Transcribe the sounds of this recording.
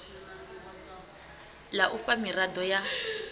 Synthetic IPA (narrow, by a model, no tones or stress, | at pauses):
laʔufamiradɔja